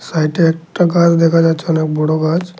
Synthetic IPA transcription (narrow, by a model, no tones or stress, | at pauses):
saɪʈiek̚ʈakad͡ʒd̪ekʰad͡ʒaːt͡ʃʰanek̚bɔɽoɡad͡ʒ